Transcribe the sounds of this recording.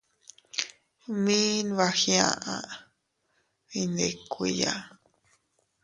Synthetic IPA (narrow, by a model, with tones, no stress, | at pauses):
mĩ˦n˧βa˧xjã̰˧ʔã̰˧ | i˧nd̪e˨kʷi˧ja˨